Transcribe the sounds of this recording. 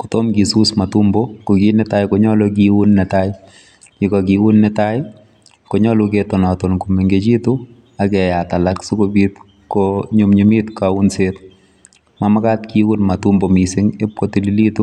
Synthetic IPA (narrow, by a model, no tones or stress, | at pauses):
ku̥tomkisusmatumbɔkokinɛtajkɔɲɔlɔk̬iwunːɛtaj | kikɔk̬iwunːɛtaj | koɲɔluketɔnɔtɔnkumeŋɡet͡ʃitu | akɛjatalaksukobit | kɔɲumɲimitkaunset̚ | mamakatkiwunmatumbɔmisɪŋep̚kɔtililitu